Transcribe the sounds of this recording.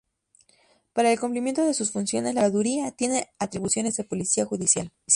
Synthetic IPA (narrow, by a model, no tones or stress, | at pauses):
paɾaelkumplimje̞nt̪o̞ðe̞susfunsjo̞̰ne̞zlaɣaðuɾiat̪je̞ne̞at̪ɾiβusjo̞ne̞zðe̞po̞lisiaxuðisjal